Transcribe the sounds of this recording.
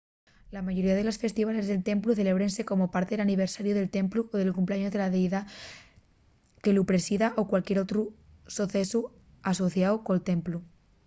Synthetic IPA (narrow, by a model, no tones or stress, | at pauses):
lamaʝo̞ɾiað̞elo̞sfe̞st̪iβ̞ale̞zðe̞lt̪e̞mpluθe̞le̞β̞ɾense̞ko̞mopaɾt̪eelaniβ̞eɾsaɾjoðe̞lt̪e̞mpluʔoðelkumpleaɲozðe̞laðeiða | ke̞lupɾesiðaʔokwalkjeɾot̪ɾusoθesu | aso̞θjawkolt̪e̞mplu